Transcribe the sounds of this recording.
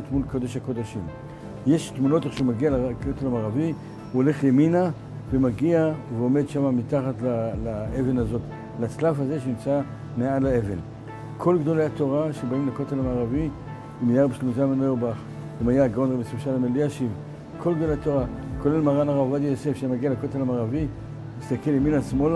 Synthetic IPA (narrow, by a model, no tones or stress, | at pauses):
t̪mulko̞d̪e̞ʃhako̞d̪aʃim | je̞ʃtmuno̞t̪eχʃeumaɡialakot̪elamaʁavi | uole̞χlemina | vemaɡiaveo̞me̞d̪ʃamamitaχatlalaeve̞nazo̞t | lat͡slafhaze̞ʃenimt͡sa | meadlae̞ve̞n | kʰo̞lɡd̪o̞lejato̞ʁaʃebaimlakotalamaːʁavi | imijaʁbiʃlemozamenojobaχ | imajaɡaonʁemesuʃalameliaʃiv | kʰo̞lɡd̪o̞leato̞ʁako̞le̞lmaʁanaʁavadijose̞fʃamaɡialakotalamaːʁavi | ist̪ake̞leminasmo̞l